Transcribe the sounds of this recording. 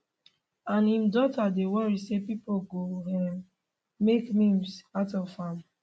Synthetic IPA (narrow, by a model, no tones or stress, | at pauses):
ãnĩmdɔtadewɔɹisepipoɡohɛ̃m | mekmĩmsatɔfhãm